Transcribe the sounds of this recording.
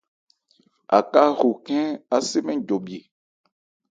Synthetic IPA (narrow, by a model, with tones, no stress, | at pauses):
a̰˨ka˦ɣu˨kɛ̃˦a˦se˦mɛ̃˦d͡ʒo˨bi˨e˨